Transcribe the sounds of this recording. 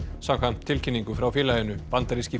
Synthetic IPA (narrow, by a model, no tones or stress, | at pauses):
sakant̪ʰɪlcʰɪnːiŋkʏfɾawfɪːlajʏnʏpant̪aɾisci